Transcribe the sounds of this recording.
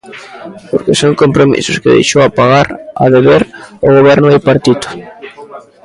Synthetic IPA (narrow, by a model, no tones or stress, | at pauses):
poɾkɪsoŋkompɾomḭsʊskɪðḛjʃowapaɣaɾa̰ðeβeɾʊɣ̞oβɛɾnʊejpaɾt̪it̪ʊ̥